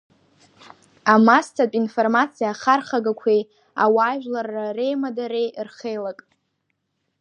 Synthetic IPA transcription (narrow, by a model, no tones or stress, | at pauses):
amastʰapʼinformat͡sʰijaχarχaɡakʷʰej | a̰waːʒᶣlarːare̞jmadaɾejrχejlakʼ